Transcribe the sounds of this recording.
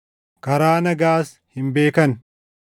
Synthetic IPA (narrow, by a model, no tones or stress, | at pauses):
kɐɾaːnɐɡaːs | hɪmbe̞ːkɐn